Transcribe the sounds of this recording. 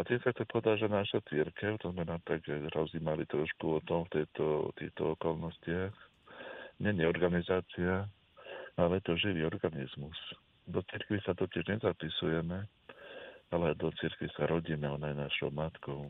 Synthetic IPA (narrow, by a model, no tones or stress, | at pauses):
at̪iːmsakt̪ɛpɔʋɛd̪aʒɛnaʃat͡siɾkɛʊt̪ɔzmɛnaːt̪aɡɛɾɔzimalit̪ɾɔʃkuɔt̪ɔmft̪ɛjt̪ɔt̪ḭxt̪ɔɔkɔlnɔscɪax | ɲɛɲɛɔɾɡanizaːt͡sia | alɛjɛt̪ɔʒiʋiːɔɾɡanḭzmus | d̪ɔt͡siɾkʋisat̪ɔcɪɛʒɲɛzapisujɛmɛ | alɛd̪ɔt͡siɾkʋisaɾɔɟinaɔnajnaʃɔ̰ʊmat̪kɔʊ